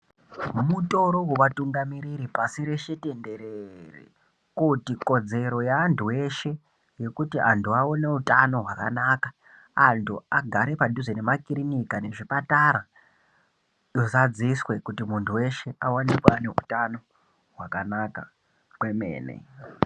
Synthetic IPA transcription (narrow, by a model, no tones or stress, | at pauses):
muto̞ɾo̞wuʋatuŋɡamiɾiɾipasiɾe̞ʃitende̞ɾerḭ | kutiko̞d͡ze̞ɾo̞jaːntʰuwe̞ʃe̞ | je̞kutiʔantʰuaone̞utano̞ɦwaka̰naka | antʰuaɡʱaɾe̞paduzene̞makiɾinikane̞ʐipataɾa | jo̞zad͡ziswe̞kutimuntʰuwe̞ʃe̞ʔawanikwane̞ṵtano̞ | ɦwakanaka̰ | kwe̞mḛːnḛ